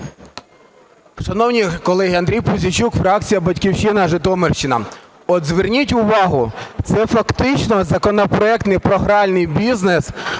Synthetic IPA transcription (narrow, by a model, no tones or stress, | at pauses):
ʃɐnɔwnʲikɔlˠɛɦiɐnd̪ɾʲijpʊzʲit͡ʃukfɾɑk̚t͡sʲijɐbɐtʲkʲiwʃɪnɐʒɪt̪ɔmerʃt͡ʃɪnɐ̰ | ɔd̪zʋernʲitʲʊʋɑɦʊt̪sɛfɐkt̪ɪt͡ʃnɔzɐkɔnɔpɾɔɛk̚t̪nɪjpɾɔɦɾɑlʲnɪjbʲiznes